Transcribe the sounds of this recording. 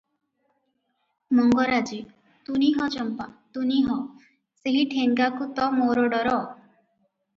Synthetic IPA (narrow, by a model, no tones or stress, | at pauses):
mɔŋɡɔɾad͡ʒi | t̪uniɦɔt͡ʃɔmpat̪uniɦɔ | seɦiʈʰeŋɡakut̪ɔmoɾoɖɔɾɔ